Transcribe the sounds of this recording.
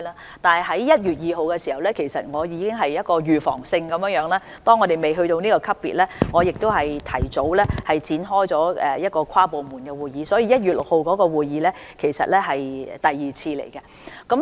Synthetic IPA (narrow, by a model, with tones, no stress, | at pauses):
la˧ | t̪aː˨nɐ˨˩ɦɐ˨˥jjɐ˥t̚jyː˨t̚jiː˨ɦo˨wkɛ˧si˨˩hɐ˨wlɛː˥kʰe˨˩jsɐ̰˨t̚ŋɔː˨˧jiː˨˧kɪ˥ŋɦɐ˨jjɐ˥t̚kɔː˧jyː˨fɔ̰ː˨˩ŋsɪ˧ŋkɐ˨˧mjœː˨˧˥jœː˨˥ŋlaː˥ | t̪ɔː˥ŋːɔ˨˧e˨˩jme˨jɦɵ˧ɥt̪o˧wniː˥kɔː˧kʰɐ˥p̚pḭ˨t̚lɛː˥ŋɔː˨˧jɪ˨k̚t̪o˥wɦɐ˨jt̪ʰɐ˨˩jt͡so˨˥wlɛː˥hɐ˨jt͡siː˨˥nɦɔː˥jt͡sɔː˨˥ɛ˨jɐ˥t̚kɔː˧kʰaː˥po˨wmuː˨˩nkɛ˧wuː˨jiː˨˧sɔː˨˥jiː˨˧jɐ˥t̚yː˨t̚lʊ˨k̚ho˨˧wkɔː˨˥kɔː˧wuː˨˩jjiː˨˧˥lɛː˥kʰe˨˩jsɐ̰˨t̚lɛ˥ɦɐ˨jt̪ɐ˨jːiː˨t͡sʰiː˧lḛ˨˩jkɐ˧ | kɐ˨˥m